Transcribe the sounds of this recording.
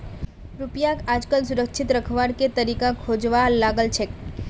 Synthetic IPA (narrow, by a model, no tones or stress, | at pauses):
ɾupjãkad͡ʒkəlsʊɾəkʃʰɪt̪ɾəkʰʋaɽket̪əɾikãkʰod͡ʒʋalaɡəlt͡ʃʰe